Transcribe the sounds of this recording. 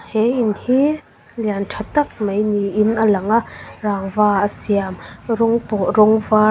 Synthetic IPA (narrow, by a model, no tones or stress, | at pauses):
hɛʔinhi | liantʰat̪ɐk̚majniʔinʔəlɐŋaraːŋvaːəsiamɾɔŋpɔɾɔŋva